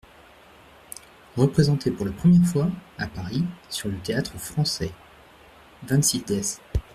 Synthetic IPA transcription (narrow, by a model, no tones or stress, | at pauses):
ʁəpχezɑ̃t̪ʰepuʁlapχəmjɛʁfwaapaʁisyʁlət̪eat̪χəfχɑ̃sɛ | vɛ̃nsid̪ɛs